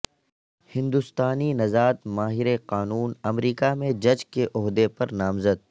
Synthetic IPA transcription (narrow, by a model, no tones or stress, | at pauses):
hɪ̃nd̪ʊst̪aːninɐzaːt̪maːɦɪɾeqaːnuːnɐmɾiːkamẽd͡ʒɐd͡ʒkeʔʊɦd̪epɐɾnaːmzəd̪̚